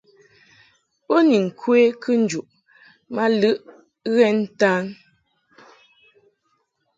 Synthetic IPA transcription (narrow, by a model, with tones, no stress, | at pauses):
o˦ni˨ŋ̩˨kʰwe˦kʰɨ˦n̩˦d͡ʒu˨ʔ | ma˦lɨ˦ʔ | ɣɛ˦n̩˦ta˦n